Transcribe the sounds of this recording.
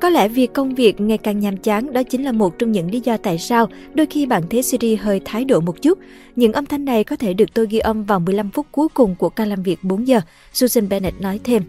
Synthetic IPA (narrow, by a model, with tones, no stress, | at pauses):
kɔ˨˦lɛ̰˧˩vi˨˩əkːə˧wŋ͡mvi˨˩ək̚ŋa˨˩jkaː˨˩ŋɲaː˨˩mt͡ɕaː˨˦ŋɗɔ˨˦t͡ɕï˨˦ŋ̟laː˨˩mo˨˩t̚t͡ɕɔ˧wŋ͡mɲɨ̰˧˥ŋli˨˦zɔ˧t̪a̰ː˧˨jsaː˧w | ɗo˧jxi˧ɓa̰ː˧˨nt̪ʰe˨˦si˧ɾi˧ɦəː˧jt̪ʰaː˨˦jɗo̰˧˩mo˨˩t̚t͡ɕu˦˥t̚ | ɲɨ̰˧˥ŋʔə˧ŋ͡mt̪ʰa˧jŋ̟na˨˩jkɔ˨˦t̪ʰe˧˩ɗɨ˨˩ək̚t̪o˧jɣi˧ʔə˧mvaː˨˩wmɨ˨˩əjla˧mfʊ˦˥t̚ku˨˦jkʊ˨˩ŋ͡mku˧˩əkaː˧laː˨˩mvi˨˩ək̚ɓo˨˦nzəː˨˩ | su˧zə˧nɓɛ˧nɛ˦˥t̚nɔ˨˦jt̪ʰe˧m